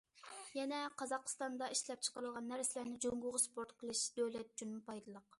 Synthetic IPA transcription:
jɛnɛqʰɑzɑqʰst̪ɑnd̪ɑiʃlɛp̚t͡ʃʰə̥qəɾɨlˠʁɑnːæɾsɪlæɾnɪd͡ʒoŋɡʊʁʊspoɾt̪qʰəlˠɨʃd̪̥øwlɛt̪̚d͡ʒynmpʰɑjd̪ɨlˠəq

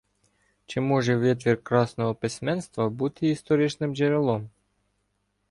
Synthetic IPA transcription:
t͡ʃɪmɔʒɛʋʲɛt̪ʋʲirkɾɑsnɔɦɔpɪsʲmɛnst̪ʋɐbut̪ɪist̪ɔɾʲɪt͡ʃnɪmd͡ʒeɾʲɪlˠɔm

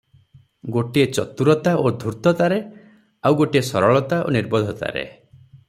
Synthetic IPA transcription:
ɡoʈiet͡ʃɔ̰t̪uɾɔt̪aʔod̪ʱuɾt̪ɔt̪aɾe | awɡoʈiesɔɾɔɭɔt̪aʔo̰niɾbɔd̪ʱɔt̪a̰ɾḛ

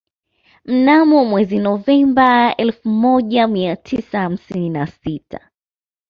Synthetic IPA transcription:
m̩namɔmwɛzinɔvɛmbaɛlfumɔʄamiatʰisaham̩sininasitʰa̰

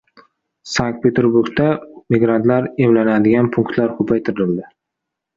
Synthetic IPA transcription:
saŋk̚t̪pʰet̪ʰeɾbʊɾɡt̪amiɡɾant̪laɾemlanad̪ɪɡʲanpʰʊŋkt̪laɾkʰʊpʰajt̪ʰɪɾɪlɪld̪ɪ

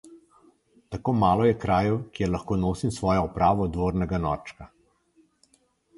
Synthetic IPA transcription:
t̪akoːmaːlɔjɛkɾaːjɛwkjɛɾlaxkoːnoːsimsʋɔːjɔɔpɾaːʋɔd̪ʋoːɾnɛɡanɔ̰ːɾt͡ʃka

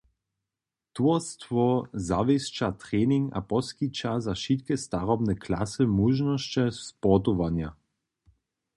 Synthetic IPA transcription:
t̪uɐst̪vɔzavɛst͡ʃat̪ʁɛːniŋa̰pɔskit͡ʃazaʃit̪kɛst̪aʁɔbnɛklasɛmuʒnɔst͡ʃɛpɔt̪ɔʋanja

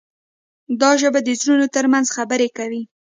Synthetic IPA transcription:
d̪ɑʒəbad̪əzɾunot̪əɾmanzxabəɾekawi

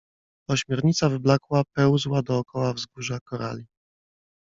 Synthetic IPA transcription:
ɔɕmʲjɛɾɲit̪savɘblakwapɛwzwad̪ɔːkɔwavzɡuʐakɔɾa̰lʲi

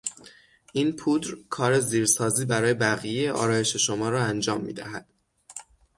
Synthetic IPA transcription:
ʔiːnpʰuːd̪ɾkʰɒːɾe̞ziːɾsɒːziːbæɾɒːje̞bæɣijejeʔɒ̰ːɾɒːje̞ʃe̞ʃo̞mɒːɾɒːænd͡ʒɒːmːḭːd̪æɦæd̪̥

